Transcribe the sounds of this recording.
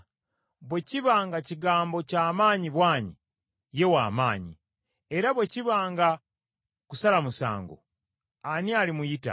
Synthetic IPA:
βwe̞ciβaːŋɡaciɡaːmbo̞caːmaːɲiβwaːɲi | je̞wa̰ːmaːɲḭ | e̞ɾaβwe̞ciβaːŋɡa | kusalamusa̰ːŋɡo̰ | anialimujita̰

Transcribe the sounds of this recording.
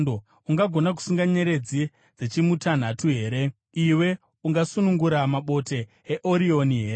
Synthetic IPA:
do | uŋɡaɡʱo̞nak̬u̥suŋɡaɲeɾe̞d͡zi | d͡zet͡ʃimutʰan̤atuɦe̞ːɾe̞ | iwe̞ | uŋɡasunuŋɡuɾamaɓo̞te̞ː | ʔoɾio̞niɦe̞ːɾe

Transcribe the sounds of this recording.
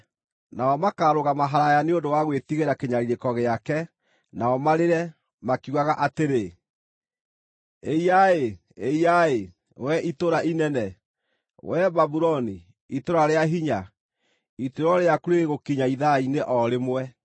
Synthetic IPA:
naɔmakaɾoɣamaɦaɾajaneondowaɣwetiɣeɾakeɲaɾiɾekɔɣeakɛ | naɔmaɾeɾɛ | makuaɣaʔateɾe | eiae | eiae | wɛʔitoɾaʔinɛnɛ | wɛbabuɾɔni | itoɾaɾeaɦiɲa | itoɾɔɾeakuɾeɣeɣokiɲaiðaineʔɔɾemwɛ

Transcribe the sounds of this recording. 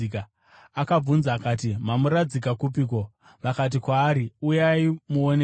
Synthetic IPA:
ka | akab͡vunzaːkaːt̬imamuɾad͡zikakup̬iːk̬o̞ | ʋakat̬ikwaːɾiujaimuone

